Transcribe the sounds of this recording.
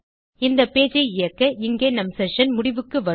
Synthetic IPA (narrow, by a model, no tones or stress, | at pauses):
ɪnd̪ɐpːeːd͡ʒɐɪɪjɐkːɐɪŋɡeːnɐmsɛʂɐnmʊɽɪʋɯkːɯʋɐ